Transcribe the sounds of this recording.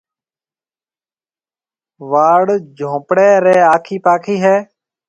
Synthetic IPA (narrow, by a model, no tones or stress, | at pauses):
ʋaːɽd͡ʒʱõːpɽeːɾeːaːkʰiːpaːkʰiːɦɛː